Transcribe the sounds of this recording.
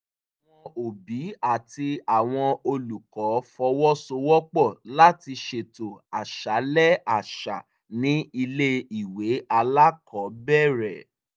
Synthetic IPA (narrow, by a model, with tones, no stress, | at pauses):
a˨w̃ɔ̃˧o˨bi˨˦a˦˨ti˧a˨w̃ɔ̃˧o˧lu˨kɔ˨˦fɔ˧wɔ˦so˧wɔ˦k͡pɔ˦˨la˦ti˧ʃe˨to˨a˨ʃa˨˦lɛ˦a˨ʃa̰˨ | nĩ˦i˧le˦i˨we˨˦a˧la˦kʰɔ˨˦bɛ˦˨ɾɛ˨